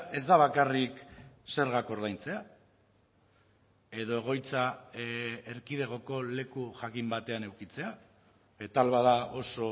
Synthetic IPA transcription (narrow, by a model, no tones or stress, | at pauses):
e̞zd̪aβ̞akarikse̞ɾɣ̞ako̞ɾð̞ajnt͡se̞a | e̞ðo̞e̞ɣ̞o̞jt͡sa | eɾkið̞e̞ɣ̞o̞ko̞le̞kuʝakimbat̪e̞ane̞wkit͡se̞a | et̪alβaðao̞so̞